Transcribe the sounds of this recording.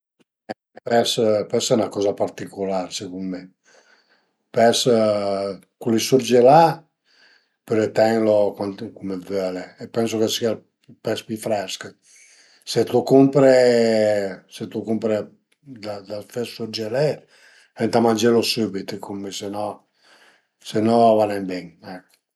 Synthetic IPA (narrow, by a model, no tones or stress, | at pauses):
ɛ | pɛspɛsɛnakɔːzapaɾt̪ikolaɾsekumːe | pɛs | kulisurd͡ʒela | pøɾet̪ɛŋlokankumevœleːpːɛns̬okesia | pɛspifɾɛskə | set̪ukumpɾe | set̪ukumpɾe | d̪ad̪afesuɾd͡ʒelɛ | ɛnt̪amand͡ʒelosubit̪kʰumesenɔ | senɔavanɛmbɛŋɛkː